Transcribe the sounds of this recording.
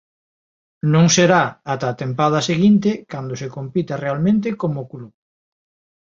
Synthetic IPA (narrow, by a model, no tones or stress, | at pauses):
nõŋseɾaat̪at̪empað̞aseɣint̪ɪkand̪osekompit̪arealmẽnt̪̬ekomokluβ